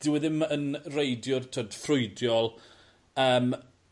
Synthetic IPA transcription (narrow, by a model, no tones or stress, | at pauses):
d̥ɪwɛðɪmənrejdjʊrtʰoːd̥frʊɨdjɔlˠ | əːm